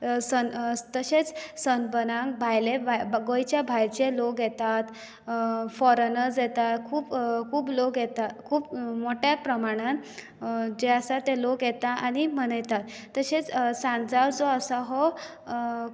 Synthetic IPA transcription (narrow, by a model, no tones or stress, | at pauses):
sənt̪əɕet͡ssənbənãŋkbʱajleɡojt͡ɕjabʱajt͡ɕelokɡjɛt̪at̪ | fɔɾənəɾd͡zjɛt̪at̪kʰuːbkʰuːblokjɛt̪at̪kʰuːpmoʈjapɾəmaɽ̃ãn | d͡ʑeəsat̪elokjɛt̪aʔaɽ̃im̤əɽ̃əjt̪at̪ːəɕet͡ssãnd͡zaɾd͡zɔəsaɦɔ